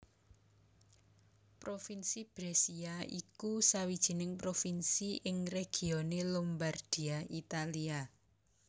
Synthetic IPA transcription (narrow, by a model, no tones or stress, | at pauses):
pɾofinsib̥ɾesiaikusawid̥ʒ̥i̤nɪŋpɾofinsiʔɪŋreɡ̥i̤onelɔmbard̥iait̪alia